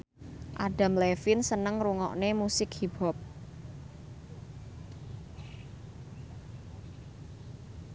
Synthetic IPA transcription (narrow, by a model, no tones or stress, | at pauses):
ʔaɖa̤mlefɪnsənəŋɾuŋɔ̰ʔnemusɪkhib̥ɔ̤p̚